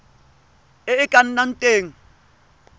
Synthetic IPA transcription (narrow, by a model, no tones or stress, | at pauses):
ɪɪkʼan̩nan̩tʼeːŋ̩